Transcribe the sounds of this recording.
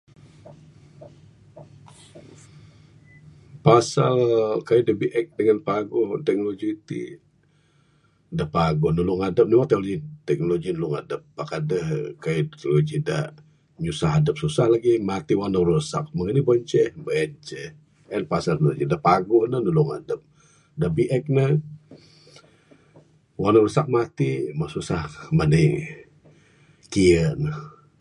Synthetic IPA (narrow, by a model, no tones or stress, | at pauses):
pasalkajidəhbiʔɛk̚dəŋanpaɡʊht̪ɛk̚nolod͡ʒiːt̪ḭ | dəhpaɡʊhnulʊŋadəp̚niwat̪ɛk̚oloɡit̪ɛk̚noloɡinulʊŋa̰dəp̚ːakadəhkajit̪ɛknolod͡ʒida̰ | ɲusaɦadəp̚susahlaɡimat̪iwanəɾusa̰k̚məŋənibəɲt͡ʃɛhbəɛnt͡ʃɛh | ɛnpasərnold͡ʒidahpaɡʊʔnəhnulʊŋa̰dəp̚ | dabiʔɛk̚nə | wanəwɾusak̚mat̪imasusahmanəj | kiənəh